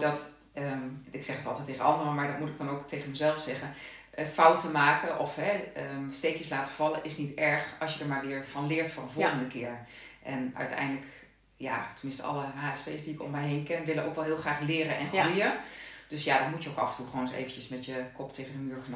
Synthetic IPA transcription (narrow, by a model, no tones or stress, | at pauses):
dɔt | əɪksɛχətɑlˠtɛtːeːɣənɑndərəmaːɹdɔtmutɪɡ̚dɑnowktejɣənməzɛlˠfsɛχə | fawtəmaːkəʔɔfɦɛəmsteːkjəslaːtə̥v̥ɑləʔɪsnitɛɹχɑsjədəɹmaːɹʋɪːɹv̥ɑnlɪːɹtfʊrənvɔlˠxəndəkɪːɹ | ʔɛnœ̰ɥtɛ̰jndələk | ja̰təmɪnstəʔɑ̰lˠəɦaːɛspeːsdiɪkɔ̰mːɛjɦeːnkɛnʋɪləʔowkʋɛlˠɦɪːlˠχraːxlɪːɾənʔɛnxrujəd̥øsjadɔtmutjəowkɑvəntuχoːnsḛjvənt͡ʃəsmɛtjəkʰɔpteːɣəndəmyːɹkn